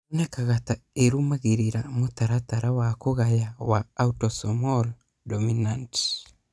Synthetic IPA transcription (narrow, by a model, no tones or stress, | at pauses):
unekaɣataeɾumaɣeɾiɾamotaɾataɾawakoɣajawaːutɔsɔmɔl | dɔminant